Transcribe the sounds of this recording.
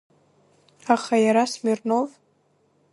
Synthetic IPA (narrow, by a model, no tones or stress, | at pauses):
aχajaɾasmɪrno̞v